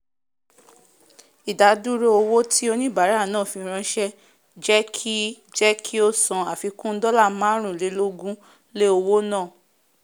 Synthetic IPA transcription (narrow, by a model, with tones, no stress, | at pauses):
i˨da˨˦du˦ɾo˦o˧wo˦tʰi˦o˧nĩ˦ba˨˦ɾa˦˨nãː˦˨fĩ˧ɾ̃ã˧ʃɛ˦ | d͡ʒɛ˦kʰi˦ | d͡ʒɛ˦kʰi˦o˦sã˨a˨fi˨˧kũ˦n̩˦dɔ˦la˦˨mã˦ɾ̃ũ˦˨le˨˦lo˦ɡũ˦ | le˦o˧wo˦nãː˦˨